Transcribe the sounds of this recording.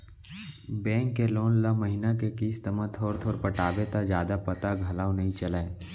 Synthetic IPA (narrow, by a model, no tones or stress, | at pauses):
bɛ̃ːŋkːeloːnləməɦinakekiːst̪əmə̃t̪ʰoːɾt̪ʰoːɾpəʈaːbet̪ad͡ʒjaːd̪apɐt̪aɡʱɐlaːonɐɦĩt͡ʃɐlae